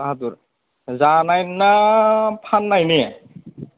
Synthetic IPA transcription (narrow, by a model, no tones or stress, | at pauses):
aɦat̪uɹ | zanajnapʰanːajniɛ